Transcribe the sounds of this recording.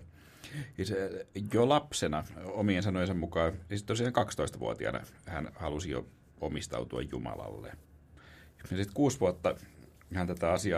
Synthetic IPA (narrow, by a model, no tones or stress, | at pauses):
isjolɑpsenɑomiensɑnojnsɑmmukɑːnisit̪ːolsineŋkɑkst̪oist̪ɑʋuot̪iɑ̰nɑ̰hæ̰nhɑlusijo̰ | omist̪ɑ̰ut̪uɑ̰jjumɑ̰lɑ̰lːḛ | jɑsit̪kuːsʋuot̪ːɑ | hænt̪æt̪æɑsiɑ